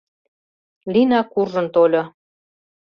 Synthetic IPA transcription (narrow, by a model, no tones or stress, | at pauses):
linɑkurʒə̆nt̪olʲo